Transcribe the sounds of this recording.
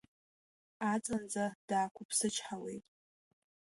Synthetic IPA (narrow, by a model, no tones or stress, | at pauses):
at͡sʼɨnd͡zad̥aːkʷʰʊpʰsɨt͡ʃʰħawḛjtʼ